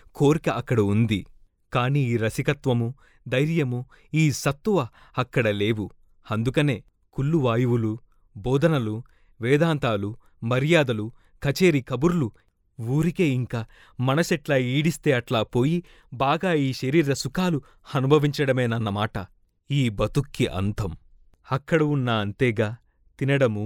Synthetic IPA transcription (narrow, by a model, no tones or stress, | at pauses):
koːɾikɐʔɐkːɐɽɐund̪i | kaːniːiːɾɐsikɐt̪ʋɐmu | d̪ɐjɾjɐmu | iːsɐt̪ːuʋɐɐkːɐɽɐle̞ːʋu | ɐnd̪ukɐne̞ː | kulːuʋaːjuʋulu | bɔːd̪ʱɐnɐlu | ʋɛːd̪aːnt̪aːlu | mɐɾjaːd̪ɐlu | kɐt͡ʃeːɾikɐbuɾulu | uːɾike̞ːiŋkaː | mɐnɐsɛʈlaːiːɽist̪e̞ːɐʈlaːpo̞ːji | baːɡaːiːʃɐɾiːɾɐsukaːlu | ɐnubʱɐʋiɲt͡ʃɐɽɐmeːnɐnːɐmaːʈɐ | iːbɐt̪ukʰːiʔɐ̰nt̪ɐm | ɐkːɐɽɐunːaːɐnt̪ɛːɡaː | t̪inɐɽɐmu